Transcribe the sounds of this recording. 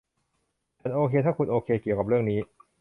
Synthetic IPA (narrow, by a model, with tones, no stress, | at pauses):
t͡ɕʰa˨˦˥nʔoː˧kʰeː˧t̪ʰaː˥˩kʰu˧nʔoː˧kʰeː˧ki˨˩əka˨˩pɾɯ˥˩əŋniː˦˥